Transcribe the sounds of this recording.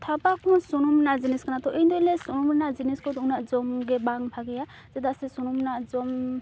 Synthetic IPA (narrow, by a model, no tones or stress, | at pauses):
t̪ʰapakʰɔnsɔnɔmnaziniskanat̪ɔʔind̪ɔjlesɔnumɾɛnaziniskʰɔt̪unazɔmɡɛbaŋbʱaɡɛja | z̥ɛd̪asisɔnumnazɔm